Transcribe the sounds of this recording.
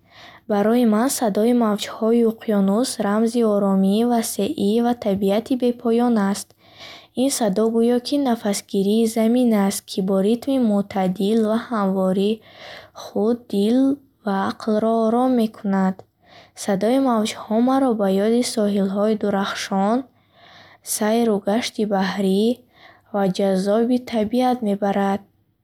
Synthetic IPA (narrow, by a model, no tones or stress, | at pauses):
baɾɔimansad̪ɔimavd͡ʒhɔiuqʰjɔnusɾamziɔɾɔmivaseʔivat̪ʰabiat̪ʰibe̞pʰɔjɔnast̪ | insad̪ɔɡujɔkʰinafasɡiɾiːzaminast̪̚kʰibɔɾit̪mimut̪ʰad̪ilvahamvɔɾi | χud̪ːil | vaːqʰlɾɔːɾɔmːe̞kʰunad̪̥ | sad̪ɔimavd͡ʒhɔmaɾɔbajɔd̪isɔɦilɦɔid̪uɾaχʃɔn | sajɾuɡaʃt̪ibahɾi | vad͡ʒazɔbit̪ʰabiat̪me̞baɾad̪̥̚